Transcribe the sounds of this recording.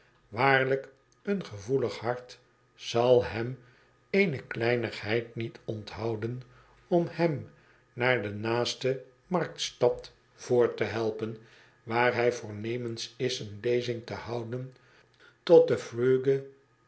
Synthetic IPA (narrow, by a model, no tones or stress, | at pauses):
ʋaːɹlək | ənχəvuləχhɑɹt | z̥ɑlˠɦɛm | ejnəklɛjnəχɦɛjtnitʰɔntɦɑwdən | ɔmhɛm | naːɹdənaːstə | mɑrk̚tstɑt | v̥ʊːɹtəɦɛlˠpən | ʋaːɹɦɛjvʊːɹnejmənsɪsənlejzɪŋtəhɑwdən | tɔt̚dəfrøːɡə